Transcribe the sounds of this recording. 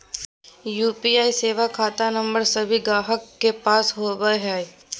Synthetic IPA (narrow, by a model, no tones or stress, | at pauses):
juːpiːaːiseːʋakʰaːt̪anə̃mbəɾsəbʱiɡaːɦəkːepaːsɦoːbəɦɛ